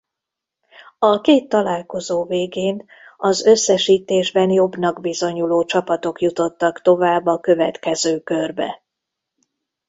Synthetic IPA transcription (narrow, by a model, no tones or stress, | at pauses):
ɒkeːt̪ːɒlaːlko̞zoːveːɡeːn | ɒzø̞sːɛʃiːt̪eːʒbɛnjo̞bnɒɡbizo̞ɲuloːt͡ʃɒpɒt̪o̞kjut̪o̞t̪ːɒkt̪o̞vaːbːɒkø̞vɛ̰t̪kɛzøːkø̞rbɛ̰